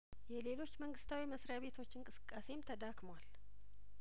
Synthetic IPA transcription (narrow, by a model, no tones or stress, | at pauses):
jɛle̞lo̞t͡ʃːməŋɡɨst̪ʰawiməsɾjaβe̞t̪ʰo̞t͡ʃːɨŋkʼɨsɨ̥kʼːase̞mt̪ʰəd̪akʼmwal